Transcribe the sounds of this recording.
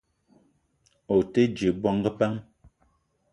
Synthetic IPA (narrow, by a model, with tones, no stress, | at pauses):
o˨te˦d͡ʒe˨bwɔ˦ŋ˦ɡə˦pa˦ŋ